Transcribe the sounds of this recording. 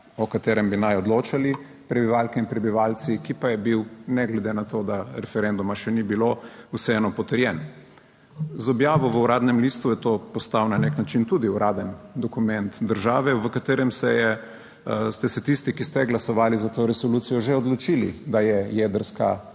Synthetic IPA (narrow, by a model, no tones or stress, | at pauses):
ɔkat̪eːɾɛmbinajɔd̪loːt͡ʃali | pɾɛbiʋaːlkɛinpɾɛbiʋaːlsikipajɛbiwnɛɡlɛd̪enat̪od̪aɾɛfɛɾɛnd̪umaʃɛnibilousɛɛnɔpɔt̪əɾjɛn | zɔbjaːʋɔʋəuɾaːd̪nɛmlist̪ujɛt̪opɔst̪awnaneknat͡ʃint̪ud̪iuɾʔaːd̪ənd̪ɔkumɛnt̪d̪əɾʒaːʋɛʋəkat̪eːɾɛmsɛjɛ | st̪ɛsɛt̪ist̪ikist̪ɛɡlasɔʋaːlizat̪oːɾɛsɔlut̪sijɔʒeɔd̪lɔt͡ʃilḭd̪ajɛjɛd̪əɾska